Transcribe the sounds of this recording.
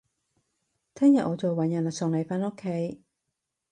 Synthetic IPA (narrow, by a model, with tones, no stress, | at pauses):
t̪ʰɛː˥ŋjɐ˨t̚ʔɔː˨˧t͡so˨wwɐ˨˥˦njɐ˨˩nlɐ˨˩sʊː˨˩ŋle˨˩jfaː˥no˥kʰːe˨˧˥j